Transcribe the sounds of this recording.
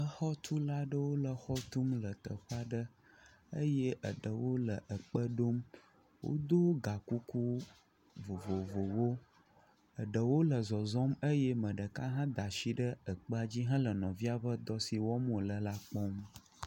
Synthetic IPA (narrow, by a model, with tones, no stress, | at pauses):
ə˨xɔ˦t̪ʰu˦la˦ɖə˦wo˦lə˨xɔ˦t̪u˦mlə˨t̪ə˨ɸa˦ɖə˦ | ə˦jɛ˦ʔə̰˨ɖə˨wo˦lə˨ʔə˨k͡pə˦ɖo˦m | wʔo̰˦d̪o˦ɡa˨ku˦ku˦ | vo˨vo˨vo˨wo˦ | ə˨ɖə˨wo˦lə˨zɔ˨zɔ˦mə˦jɛ˦mə̃˨ɖə˨ka˦ɦã˦d̪a˨ʃi˦ɖə˦ə˨k͡pə˦a˨d͡ʑi˦ɦã˦lə˨nɔ̰̃˨vi˦a˨ɸə˦d̪ɔ˦si˨wɔ˦mõ˨lə˨la˦k͡pɔ˦m